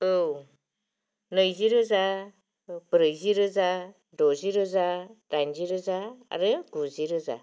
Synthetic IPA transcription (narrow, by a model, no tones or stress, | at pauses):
ɯw | nəjziɾɯza | b̥ɾəjziɾɯza | doziɾɯzadanziɾɯzaa̰ɾɯɡuziɾɯza̰